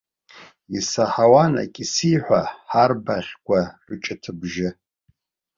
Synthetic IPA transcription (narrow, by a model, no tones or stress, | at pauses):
isaħawana̰kʼisiħʷᶣaħarbaχʲkʷʰʼaħʷʊt͡ʃʼɪtʰɨbʒɪ